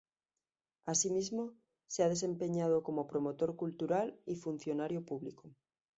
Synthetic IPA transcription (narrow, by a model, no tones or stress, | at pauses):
asimizmo | seað̞e̞se̞mpe̞ɲað̞oko̞mopɾomot̪o̞ɾkult̪uɾalifun̟θjo̞naɾjopuβliko